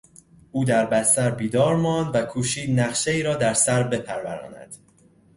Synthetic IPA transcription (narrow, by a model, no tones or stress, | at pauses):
ʔuːd̪æɾbæst̪æɾbiːd̪ɒːɾmɒːnd̪vækʰuːʃiːd̪næχʃe̞iːɾɒːd̪æɾsæɾbe̞pʰæɾvæɾɒ̰ːnæ̰d̪̥